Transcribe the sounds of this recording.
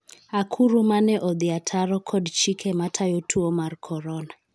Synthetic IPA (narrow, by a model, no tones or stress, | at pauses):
akʰuɾumanɛʔɔðiatʰaɾɔkʰɔdt͡ʃikʰɛmatʰajɔtʰuɔmaɾkʰɔɾɔna